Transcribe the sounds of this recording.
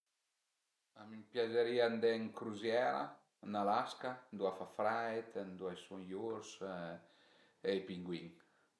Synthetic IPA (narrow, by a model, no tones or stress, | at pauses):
amimpjazəɾiand̪ɛŋkɾuzjɛɾa̰ | nalaskand̪uafafɾajt̪nd̪uajsunjuɾs | ejpiŋɡwiŋ